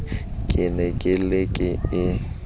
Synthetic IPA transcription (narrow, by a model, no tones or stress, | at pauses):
kʼɪnɛkʼɪlɪkʼɪɪ